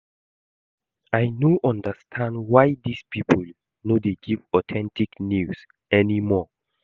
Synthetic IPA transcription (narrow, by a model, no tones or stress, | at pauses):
ajnoʔɔ̃ndəstʰãndwajdispipʰəl | nodeɡivɔtʰɛ̃ntiknjus | ɛnimɔ